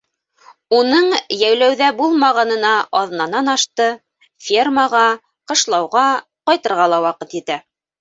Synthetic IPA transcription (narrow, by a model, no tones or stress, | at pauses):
unɤɴjæwlæwðæbulˠmɑʁɑnɤ̆nɑʔɑðɤ̆nɑnɑnɑʃt̪ɤ | fʲirmaʁɑ | qɤ̆ʃlˠɑwʁɑ | qɑjt̪ɤ̆ɾʁɑlˠɑwɑqɤt̪it̪æ